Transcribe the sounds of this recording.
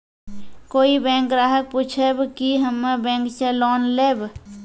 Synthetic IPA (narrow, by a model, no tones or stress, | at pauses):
koːibɛ̃ːŋkɾaːɦək̚put͡ʃʰebkiɦəmːebɛ̃ːŋkselɔnleːb